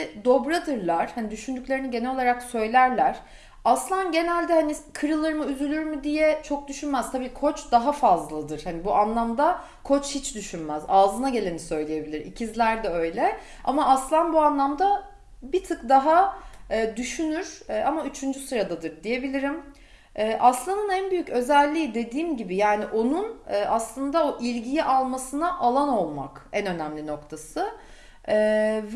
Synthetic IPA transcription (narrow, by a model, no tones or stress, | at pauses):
d̪o̞bɾad̪ɯɾlˠaɾ̥hanid̪yʃynd̪yclʲeɾiniɟenɛlʲo̞lˠaɾaksø̞jlʲæɾlʲæɾ̥ | aslˠanɟe̞nælʲd̪ɛhanikʰɯɾɯlˠɯɾɯmɯyzylʲyɾmid̪ijɛt͡ʃʰok̚d̪yʃynmæz̥t̪ʰabiːkʰo̞t͡ʃd̪aɦafazllˠad̪ɯɾ̥hanibuʔanlˠamd̪a | kʰo̞t͡ʃhit͡ʃd̪yʃynmæzaːzɯnaɟe̞lʲe̞nisø̞jlʲeje̞bilʲiɾḭcʰizlʲæɾd̪ɛø̞jlʲɛ | a̰maʔaslˠanbuanlˠamd̪a | bit̪ʰɯkd̪aɦaː | d̪yʃynyɾ̥ːʔamayt͡ʃʰynd͡ʒysɯɾad̪ad̪ɯɾd̪ije̞bilʲiɾim | ɛːʔaslˠanɯnænbyjycø̞zælʲːiːd̪e̞d̪iːmɟibijaːniʔo̞nunɯːʔaslˠɯnd̪aoʔilʲɟijiʔalˠmasɯnaʔalˠano̞lˠma̰kænø̞næmlʲino̞kt̪ʰasɯ | ɛːv